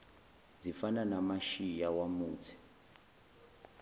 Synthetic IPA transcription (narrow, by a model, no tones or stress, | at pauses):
zifananamaʃijawamuːtʰi̥